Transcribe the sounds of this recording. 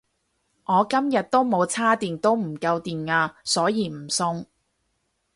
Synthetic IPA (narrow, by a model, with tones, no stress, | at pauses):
ŋɔː˨˧kɐ˥mjɐ˨t̚t̪o˥wmo˨˧wt͡sʰaː˥t̪iː˨nt̪o˥wm̩˨˩kɐ˧wt̪iː˨˩naː˧sɔː˨˥jiː˨˧m̩˨˩sʊ˧ŋ